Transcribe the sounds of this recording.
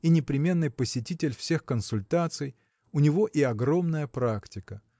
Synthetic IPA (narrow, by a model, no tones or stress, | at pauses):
inʲɪpɾʲɪmʲe̞nːɨjpəsʲɪtʲitʲɪlʲfsʲe̞xkənsʊlʲt̪at̪sɨj | ʊnʲɪvo̞ʔiɐɡɾo̞mnəjəpɾaktʲɪkə